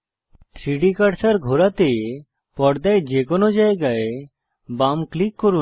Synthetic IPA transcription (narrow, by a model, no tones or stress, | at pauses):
t̪ʰɾiɖikaɽsaɾɡʱoɾat̪e | pɔɽd̪ajd͡ʒekɔnod͡ʒaeɡae | bamklikːɔɾu